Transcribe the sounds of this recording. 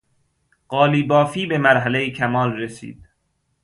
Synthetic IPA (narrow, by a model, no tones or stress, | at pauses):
ɢɒːliːbɒːfiːbe̞mæɾɦælejicʰæmɒːlresḭːd̪̥̚